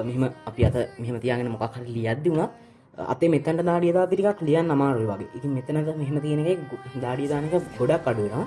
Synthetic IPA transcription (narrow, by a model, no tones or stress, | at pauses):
meɦeməapiat̪əmeɦemət̪ijaːɡenəmokakʰːaɾilijad̪ːeunat̪ | a̰t̪emet̪ːənəʈəd̪aːɖijəd̪aːt̪iɾikaklijanːamaːɾojuʋaɡḛʔit̪iŋmet̪ːənət̪əmeɦemət̪ijənekajd̪aːɖijəd̪aːnekaɡoɖakːaɖuʋeɾa